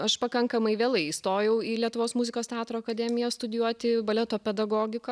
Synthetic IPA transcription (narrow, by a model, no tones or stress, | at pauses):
ɐʃpɐkɐŋkɐmɐɪʋʲeːlˠɐɪist̪oːjɛʊiːlʲiɛt̪ʊʋoːsmuzʲɪkoːst̪ʲɛɑːt̪ɾoːɐkɐd̪ʲɛmʲɪjɛst̪ʊd̪ʲɪjuɔt̪ʲɪbɐlʲɛt̪oːpʲɛd̪ɐɡoːɡʲɪko